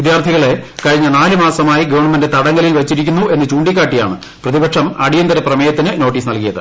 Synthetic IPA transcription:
ʋid̪jaːrt̪ʰiɣɐɭe̞kɐɻiɲːɐnaːlɨmaːsɐmaːjiɡɐʋɐrɳɐmɐndet̪ɐɽɐŋɡɐlilʋɐt͡ɕːiɾikʲːunːue̞nːɨt͡ɕuːɳɖikʲːaːʈːija̰ːɳɨ | prɐðibɐkʂɐmɐɽijɐnd̪ɐɾɐprɐmɐjɐt̪ːinɨno̞ːʈːiːsnɐlkijɐðɨ̰

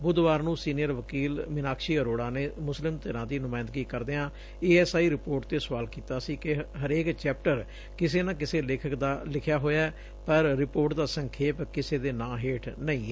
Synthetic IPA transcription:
bʊd̪ʋaːɾnũːsiːnijəɾʋəkiːlmɪnaːkʃiːɦəɾoːɽaːneːmʊslɪmt̪əɾãːd̪iːnʊmaːɪnd̪ɡiːkəɾd̪eːãː | eːɛːsaːiːɾɪpoːɾʈ̚t̪eːsʋaːlkiːt̪aːsiːkɪɦəɾeːkt͡ʃɛːp̚ʈəɾ | kɪseːnãːkɪseːlɪːkʰəkd̪aːlɪkʰjaːɦoːjaːɛː | pəɾːɪpoːɾʈd̪aːsə̃ŋkʰeːpkɪseːd̪eːnãːɦeːʈʰnəĩː

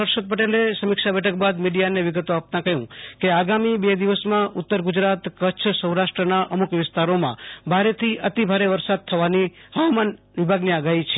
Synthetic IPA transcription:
əɾʃət̪̚pəʈelesəmikʃabɛʈʰək̚bad̪miɽijaneʋɪɡət̪oap̚t̪ãkəɦjṵ̃keaɡamibed̪iʋəsmãʊt̪ːəɾɡʊd͡ʒɾat̪kət͡ʃʰsə̃ũɾaʃʈɾənaʔəmukʋɪst̪aɾomã̰bʱaɾet̪ʰiʔət̪ibʱaɾeʋəɾsad̪̚t̪ʰəʋaniɦəʋaman | ʋɪbʱaɡniaɡaɦit͡ʃʰe

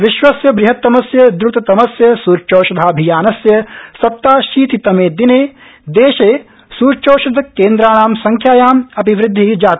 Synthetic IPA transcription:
ʋɪʃʋɐsjɐbɾɪɦɐt̪ːɐmɐsjɐd̪ɾut̪ɐt̪ɐmɐsjɐsuːɾt͡ʃoːʃɐd̪ʱaːɐbʱijaːnɐsjɐsɐp̚t̪aːʃiːt̪it̪ɐmeːd̪ineː | d̪eːʃeː | suːɾt͡ʃoːʃɐd̪ʱɐkeːnd̪ɾaːɳ̃aːmsɐŋkʰjaːjaːmɐpiʋɾɪd̪ʱːid͡ʒaːt̪

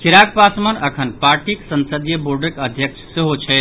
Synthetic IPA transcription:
kʰiɾak̚pasmənəkʰənpaɾʈiksənsəd̪ijəboɾɖəkəd̪ʱjəkt͡ʃʰseɦot͡ʃʰɛɪt̪

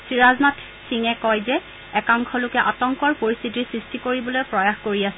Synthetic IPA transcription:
sɹiɹaznatʰ | siŋɛkɔjzɛ | ɛkaŋkʰɔlʊkɛʔatɔŋkɔɹpoɹistʰitisɹistikoɹibɔlojpɹɔjaxkoɹiasɛ

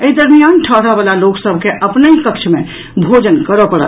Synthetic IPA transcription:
əid̪əɾmijanʈʰəɦɽəbəlaloksəbʱkeʔəpnəikək̚t͡ʃʰme | bʱod͡ʒənkəɾəpəɽə̰t̪

